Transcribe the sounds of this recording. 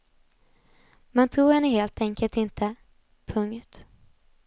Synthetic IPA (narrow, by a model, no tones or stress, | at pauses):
mant̪ʰuːɡhɛnːəɦeːlt̪ʰɛŋkəlt̪ɪnt̪ʰə | pʰɵŋt̪